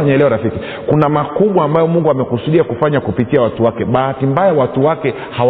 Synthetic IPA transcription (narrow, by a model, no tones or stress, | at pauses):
aɲaɛlɛɔɾafiki | kunamakuɓwaːmbajɔmuŋɡuamɛkusuɗiakufaɲakupitiawatuwakɛɓahatimbajawatuwakɛ | ha